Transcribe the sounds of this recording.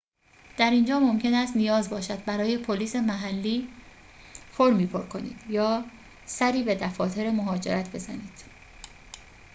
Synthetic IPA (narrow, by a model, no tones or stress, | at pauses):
d̪̥æɾind͡ʒɒːmo̞mcʰe̞næst̪nijɒːzbɒːʃæd̪̥̚bæɾɒːje̞pʰoliːse̞mæɦælːiː | foɾmiːpʰo̞ɾkʰo̞nḭːd̪̥jɒː | sæɾiːbe̞d̪æfɒːt̪ʰe̞ɾemoɦɒːd͡ʒe̞̰ɾæt̪ʰbe̞zæ̰niːd̪̥